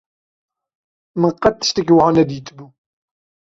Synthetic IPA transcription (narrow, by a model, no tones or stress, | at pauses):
mənqːɑə̥ʃt̪əkːwʕunæd̪jət̪ːbu